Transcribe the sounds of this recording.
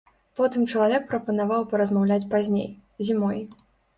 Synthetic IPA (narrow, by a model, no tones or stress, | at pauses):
pɔt̪ɨmt͡ʂɐlˠavʲɛk̚pɾɐpɐnavawpɐɾɐzmawlʲat͡sʲpazʲnʲḛj | zʲimɔj